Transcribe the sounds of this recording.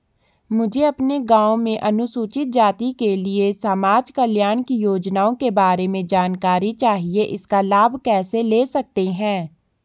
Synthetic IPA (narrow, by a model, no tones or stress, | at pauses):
mʊd͡ʒʱeɐpneɡãːõmẽʔɐnʊsuːt͡ʃɪt̪̚d͡ʒaːt̪ikeliesamaːd͡ʒkəljaːñkijoːd͡ʒnaːõkebaːɾemẽd͡ʒaːnkaːɾit͡ʃaːɦieʔɪskalaːbʱkɛːseleːsɐk̚t̪eɦɛ̃ː